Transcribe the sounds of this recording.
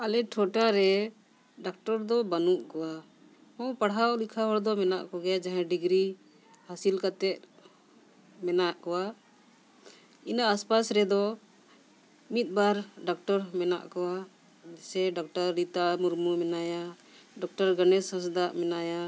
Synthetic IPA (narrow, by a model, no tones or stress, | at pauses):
alɛʈʰɔʈaɾɛ | ɖak̚ʈɔɾd̪ɔbanuʔkɔwa | ɔ̃paɽɦawlikʰaɦɔɭd̪ɔmɛnaʔkɔɡɛjad͡ʒaɦɛ̃ɖiɡɾi | hasilkat̪ɛt̪̚ | mɛnaʔkɔwa | inaʔːspasɾɛd̪ɔ | mit̪̚ˀbaɾɖak̚ʈɔɾmɛna̰ʔkɔwa | sɛɖɔk̚ʈɔɾːit̪amuɾmumɛnaja | ɖɔk̚ʈɔɾɡənɛsãs̬d̪aʔmɛnaja